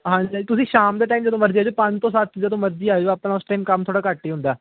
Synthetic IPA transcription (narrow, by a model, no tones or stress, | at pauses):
ɦãːɲd͡ʒiːt̪ʊsĩːʃaːmd̪eːʈaːiːmd͡ʒəd̪õːməɾd͡ʒiːd͡ʒoːpə̃ɲd͡ʒt̪õːsat̪d͡ʒəd̪õːməɾd͡ʒiːaːeoaːpnaːʊsʈaːimkəmt̪ʰoːɽaːkəʈːiːɦʊ̃nd̪aː